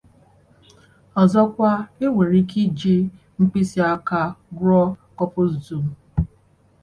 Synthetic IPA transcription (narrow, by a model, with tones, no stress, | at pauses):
ɔ˨zɔ˦kʷa˦e˦we˨ɾi˦ki˦d͡ʒi˦ | ŋ͡m̩˦k͡pi˦si˦a˦ka˦ɡɾɔ˦kɔ˦pʊ˦zu˨tu˨m̩˨